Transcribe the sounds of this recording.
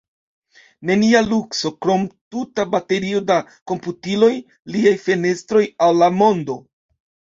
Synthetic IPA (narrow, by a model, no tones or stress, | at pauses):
ne̞nialukso̞kɾo̞mtutabate̞ɾio̞dako̞mputilo̞j | liajfe̞ne̞stɾo̞jawlamo̞ndo̞